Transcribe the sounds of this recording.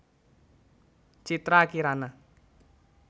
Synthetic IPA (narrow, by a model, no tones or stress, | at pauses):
t͡ʃit̪ɾakiɾana